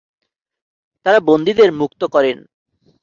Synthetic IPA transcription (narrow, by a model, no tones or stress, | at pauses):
t̪aɾabond̪id̪eɾmukt̪okɔɾen